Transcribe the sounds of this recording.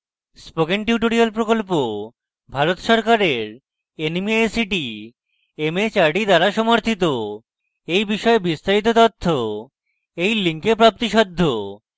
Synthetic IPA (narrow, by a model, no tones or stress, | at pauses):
spoɡenʈjuʈoɾialpɾokolpo | bʱaɾot̪ʃɔɾkaɾeɾ | enmieesiʈi | emet͡ɕaɾɖid̪aɾaʃɔmoɾt̪ʰit̪o | ejbiʃɔebist̪aɾit̪̬ot̪ot̪ʰːo | ejliŋkepɾap̚t̪iʃɔd̪ʱːo